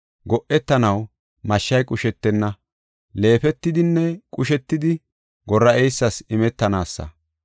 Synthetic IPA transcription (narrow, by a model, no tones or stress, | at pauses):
ɡɔʔɛt̪ːɐnɐw | mɐʃːɐjkʼʊʃɛt̪ːɛnːɐ | le̞ːfɛt̪ːɪd̪ɪnːɛkʼʊʃɛt̪ːɪd̪ɪ | ɡɔrːɐɛjsːɐsɪmɛt̪ːɐnaːsːɐ̰